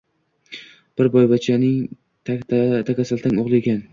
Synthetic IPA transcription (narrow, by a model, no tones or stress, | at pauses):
b̥ɪɾbɒjbat͡ʃʰanɪŋ | t̪ʰt̪ʰakʲasalt̪aŋoʁlˠɪekʲan